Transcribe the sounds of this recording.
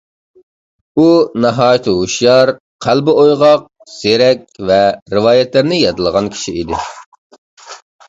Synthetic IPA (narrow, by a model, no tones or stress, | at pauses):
unɑɦɑːjt̪ʰɨɦuʃjɑɾ | qʰælbɨojʁɑq̚ | z̥eɾɛkʲvɛɾɨwɑːjɛt̪lɪɾnɪjɑt̪ɨlˠəʁɑnkʲʰi̥ʃiid̪ɪ̰